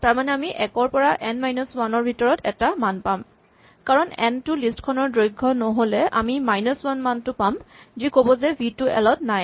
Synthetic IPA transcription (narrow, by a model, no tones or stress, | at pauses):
taɹmanɛamiʔɛkɔɹpɔɹaʔɛnmajnɔswanɔɹbʱitɔɹɔtɛtamanpam | kaɹɔnɛ̰ntʊlistkʰɔnɔɹdɹojɡʱːɔnoɦolɛʔa̰mimajnɔswanmantʊpamzikobɔzɛbʱitʊɛ̰lɔtnaj